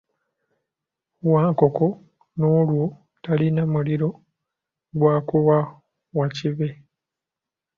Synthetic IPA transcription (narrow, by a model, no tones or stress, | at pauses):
waːŋko̞ko̞ | no̞ːlwo | talinamuliɾo̞ | ɡwaːkuwa | waciβe